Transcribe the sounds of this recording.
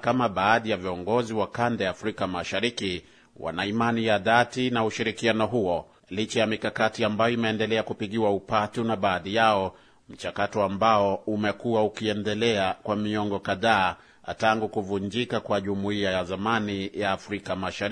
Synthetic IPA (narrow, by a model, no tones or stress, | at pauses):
kamaɓaːðijaviɔŋɡɔziwakandɛjaːfɾikamaʃaɾiki | wa̰naimanijaðatinauʃiɾikianɔɦuɔ | lit͡ʃajamikakatiambajɔimɛːndɛlɛakupiɠiwaupatunaɓaːðijaɔ | m̩t͡ʃakatɔambaɔumɛkuwaukiɛndɛlɛakwamiɔŋɡɔkaðaː | taŋɡukuvund͡ʒikakwaʄumuiajazamanijaːfɾikamaʃaɾi